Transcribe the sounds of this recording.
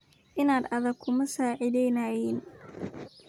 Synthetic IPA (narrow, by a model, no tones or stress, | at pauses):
ʔɪnaːd̪ɐðɐɡ̚kʰʊmɐsaːʕɪðɛjnajɛn